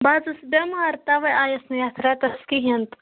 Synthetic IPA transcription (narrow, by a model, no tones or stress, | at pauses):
baːzɨsbɐmaɾt̪aʋɐjaːjɐsnɐjat̪ʰɾat̪ɐskiɦɐnt̪